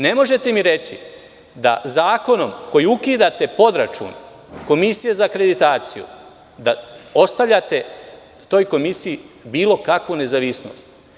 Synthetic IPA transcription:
ne̞mo̞ʒe̞t̪emiɾe̞t͡ɕḭ | d̪a̰zaːko̞no̞mko̞jiukiːd̪at̪e̞po̞d̪ɾat͡ʃṵːn | ko̞misijezaːkɾe̞d̪it̪aːt̪sijṵ | d̪ao̞st̪avʋʎʲat̪e̞ | t̪o̞ːjko̞misijibiːlˠo̞kakʋune̞zaʋisno̞̰st̪

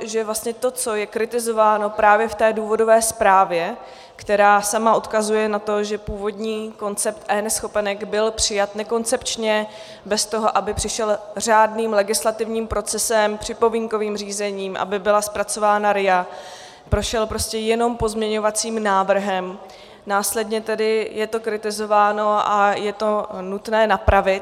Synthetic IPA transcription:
ʒɛvlastɲɛt̪o̞t͡so̞jɛkɾɪt̪ɪzo̞vaːno̞pɾaːvjɛft̪ɛːduːvo̞dovɛːspɾaːvjɛ | kt̪ɛɾaːsamaʔot̪kazujɛnat̪o̞ʒɛpuːvo̞dɲiːko̞nt͡sɛpt̪ʔɛːnɛsxo̞pɛnɛɡbɪlpr̝̥ɪjat̪nɛko̞nt͡sɛpt͡ʃɲɛ | bɛst̪o̞ɦo̞ʔabɪpr̥ɪʃɛlr̝aːdniːmlɛɡɪslat̪ɪvɲiːmpɾo̞t͡sɛsɛmpr̥ɪpo̞viːŋko̞viːmr̝iːzɛɲiːmʔa̰bɪbɪlaspɾat͡so̞vaːnaɾɪja | pɾo̞ʃɛlpɾo̞scɛjɛno̞mpo̞zmɲɛɲo̞vat͡siːmnaːvr̩ɦɛm | naːslɛdɲɛt̪ɛdɪjɛt̪o̞kɾɪt̪ɪzo̞vaːno̞ʔajɛt̪o̞nut̪nɛːnapɾavɪt̪

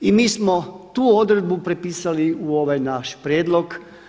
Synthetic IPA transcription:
imiːsmot̪uːod̪ɾed̪̚bupɾepiːsaliuoʋajnaʃpɾjeːd̪loɡ

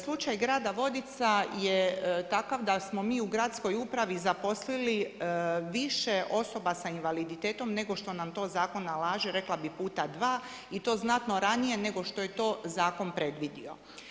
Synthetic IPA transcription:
slˠut͡ʃajɡɾaːd̪aʋo̞d̪it̪sajet̪akaʋd̪asmo̞miːuɡɾaːt̪sko̞jupɾaʋizapo̞slili | ʋiʃeʔo̞so̞basainʋalid̪it̪eːt̪o̞mne̞ɡo̞ʃt̪o̞namt̪o̞ːzaːko̞nːalaːʒiɾe̞klˠabipuːt̪ad̪ʋaː | it̪o̞ːznat̪no̞ɾanije̞ne̞ɡo̞ʃt̪o̞je̞t̪o̞ːzaːko̞npɾe̞d̪ʋid̪io̞

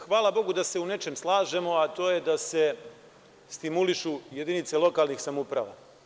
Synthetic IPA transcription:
xʋaːlˠabo̞ɡud̪ase̞une̞t͡ʃe̞mslˠaːʒe̞mo̞at̪o̞ːje̞d̪ase̞ | st̪imuliʃuje̞d̪init̪selˠo̞kalˠnixsamupɾa̰ʋa̰

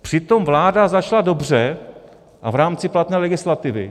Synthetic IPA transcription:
pr̝̥ɪt̪o̞mvlaːdazat͡ʃlado̞br̝ɛ | ʔa̰vɾaːmt͡sɪplat̪nɛːlɛɡɪslat̪ɪvɪ̰

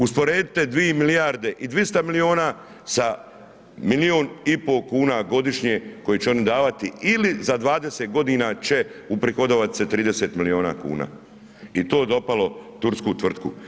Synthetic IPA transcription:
uspo̞ɾeːd̪it̪e̞d̪ʋiemilijaɾd̪e̞ʔid̪ʋist̪amilio̞ːnaː | sa | milioːnipo̞kuːnaɡo̞d̪iʃɲeko̞jit͡ɕeo̞nid̪aːʋat̪iilizad̪ʋaːd̪eset̪̚ɡo̞d̪iːnat͡ɕe̞upɾixod̪oːʋat̪i̥set̪ɾiːd̪ese̞ːt̪milio̞ːna̰ːkṵːna̰ː | it̪oːd̪o̞palo̞t̪uɾskuːt̪ʋr̩t̪kṵ

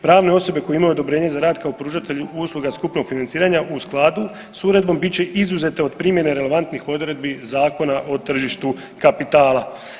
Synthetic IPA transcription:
pɾaːʋne̞o̞so̞be̞ko̞jeimajud̪obɾe̞ːɲezaɾaːd̪kaopɾuːʒat̪e̞ʎuuːslˠuɡaskupno̞ɡ̥finant̪iːɾaɲaʔusklˠaːd̪u | suɾe̞d̪̚bo̞mbit͡ɕe̞ʔizuze̞t̪e̞od̪pɾiːmjeneɾe̞le̞ʋant̪nixo̞d̪ɾe̞d̪bizaːko̞naʔo̞t̪r̩ʒiʃt̪u | kapit̪aːlˠa

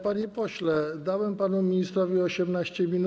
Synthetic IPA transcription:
panʲepoɕlɛd̪awɛmpanumʲinʲist̪ɾovʲioɕɛmnaʃt͡ʃɛmʲinu

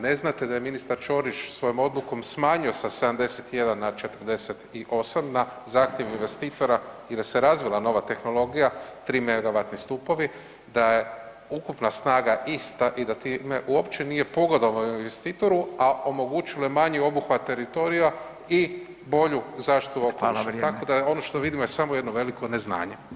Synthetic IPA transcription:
ne̞znat̪e̞d̪aje̞minist̪aɾt͡ʃo̞ɾit͡ʃsʋo̞jomo̞d̪lˠuko̞msmaːɲio̞sase̞d̪amd̪e̞set̪je̞d̪anːat͡ʃe̞t̪r̩d̪e̞set̪iʔo̞samnazaːxt̪jeʋinʋe̞st̪iːt̪o̞ɾa | ilise̞ɾazʋilˠano̞ʋat̪e̞xno̞lˠo̞ɡijat̪ɾimeɡaʋat̪nist̪upo̞ʋi | d̪aje̞ | ukupnasnaːɡaʔist̪aʔid̪at̪ime̞ʔuopt͡ʃenije̞po̞ɡod̪omoinʋest̪iːt̪o̞ɾuaʔo̞mo̞ɡut͡ʃilajemaɲio̞buxʋat̪ːe̞ɾit̪o̞ɾija | i | bo̞ʎuzaːʃt̪i̥t̪uokoit̪ako̞d̪ao̞noʃt̪o̞ʋid̪imojesamojed̪noʋe̞liko̞ne̞zna̰ːɲe̞

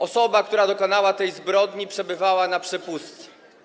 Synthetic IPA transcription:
ɔsɔbak̚t̪uɾad̪ɔkɔnawat̪ɛjzbɾɔd̪ɲipʂɛbɘvawanapʂɛpust̪ɛ̥

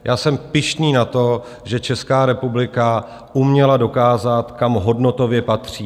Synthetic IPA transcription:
jʔaːsɛmpɪʃniːnat̪o̞ | ʒɛt͡ʃɛskaːɾɛpublɪka | ʔumɲɛlado̞kaːzat̪kamɦo̞dno̞t̪o̞vjɛpat̪r̝̥iː

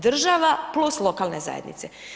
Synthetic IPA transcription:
d̪r̩ʒaʋapluslˠokaːlˠneza̰jed̪nḭt̪se

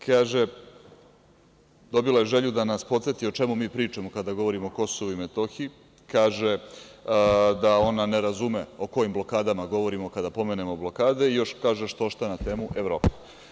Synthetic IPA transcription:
kaːʒe̞ | d̪o̞bilajeʒeʎud̪anaspot̪se̞t̪io̞t͡ʃe̞mumiːpɾiːt͡ʂamo̞kad̪aɡo̞ʋo̞ɾimo̞ko̞soʋuimet̪o̞xi | kaːʒe | d̪ao̞naneɾazume̞o̞ko̞jimblˠo̞kaːd̪amaɡo̞ʋo̞ɾimo̞kad̪apo̞mene̞mo̞blo̞kaːd̪e̞ijo̞ʃkaːʒeʃt̪oʃt̪anat̪e̞ːmuʔevɾo̞ːpe

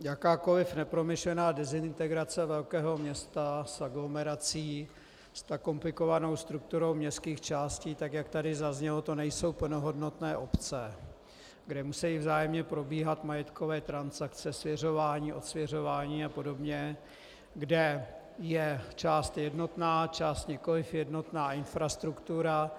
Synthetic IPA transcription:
jakaːko̞lɪfnɛpɾo̞mɪʃlɛnaːdɛzɪnt̪ɛɡɾat͡sɛvɛlkɛːɦo̞mɲɛst̪asaɡlo̞mɛɾat͡siː | st̪ako̞mplɪko̞vano̞wst̪ɾuk̚t̪uɾo̞wmɲɛskiːxt͡ʃaːsciːt̪akjakt̪adɪzazɲɛlo̞t̪o̞nɛjso̞wpl̩no̞ɦo̞dnot̪nɛːʔo̞pt͡sɛ | ɡdɛmusɛjivzaːjɛmɲɛpɾo̞biːɦat̪majɛt̪kovɛːt̪ɾansakt͡sɛsvjɛr̝o̞vaːɲiːʔo̞t̪svjɛr̝o̞vaːɲiːapo̞do̞bɲɛ | ɡdɛ | jɛt͡ʃaːst̪jɛdno̞t̪naːt͡ʃaːst̪ɲɛko̞lɪfjɛdnot̪naːʔɪnfɾast̪ɾukt̪uɾa

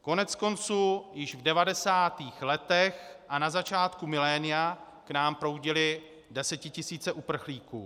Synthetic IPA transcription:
ko̞nɛt͡sko̞nt͡suːjɪʒvdɛvadɛsaːt̪iːxlɛt̪ɛxʔanazat͡ʃaːt̪kumɪlɛːnɪja | knaːmpɾo̞wɟɪlɪ | dɛsɛcɪcɪsiːt͡sɛʔupr̩xliːkṵː

